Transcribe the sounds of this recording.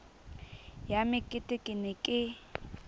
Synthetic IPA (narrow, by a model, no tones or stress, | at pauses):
jamɪkʼɪtʼɪkʼɪnɪkʼɪ